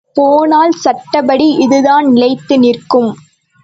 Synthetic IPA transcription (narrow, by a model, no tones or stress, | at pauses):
poːnaːlsɐʈːɐbɐɽiʔɪðɯðaːnnɪlɐɪt̪ːɯnɪrkɯm